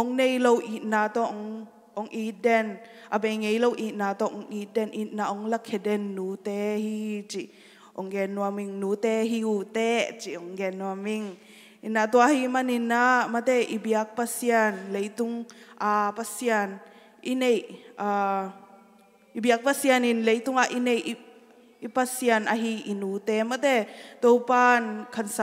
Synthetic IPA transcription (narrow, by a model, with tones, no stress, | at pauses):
ʔɔ˨˧˦ŋne˧jlo˧wʔi˧˨t̪̚naː˧t̪ɔ˧ʔɔ˧ŋ | ɔ˧˦ŋʔi˦t̪̚dɛ˧˨n | ʔa˧˨be˧˨jŋe˧jlo˧wʔi˧˨t̪̚naː˧t̪ɔ˧ʔɔ˧ŋʔi˧˦t̪̚dɛ˧˨nʔi˧˨t̪̚na˧˨ʔɔ˧˦ŋla˧kʰːɛ˧˨dɛ˧nːuː˨˦t̪ɛ˧hi˧t͡ʃi˨ʔ | ʔɔ˨ŋɡɛ˧nːu˧a˧mi˧ŋnuː˨˦t̪ɛ˦ɦi˧˦u˧˨t̪ɛ˦t͡ʃi˨ʔɔ˧˨ŋɡɛ˧nːu˧a˧mi˧ŋ | ʔi˨nːa˨ʔt̪u˧a˧himani˧nːama˨t̪ɛ˧ʔi˧bia˧k̚pa˧sia˧nle˧jt̪u˧ŋʔa˧pa˧sia˧n | ʔi˦ne˨ja | i˨bia˧k̚pasia˨ni˨nle˧˦jt̪u˦ŋa˧ʔine˧j | ipa˧sia˧˨na˧ɦi˧ʔinu˨t̪ɛ˧ma˨t̪ɛ˧t̪ɔ˧wpa˦nkʰa˨ns